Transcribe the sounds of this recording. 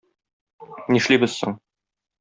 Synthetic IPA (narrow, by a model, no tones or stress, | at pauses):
niʃlibɘz̥sŏ̰ɴ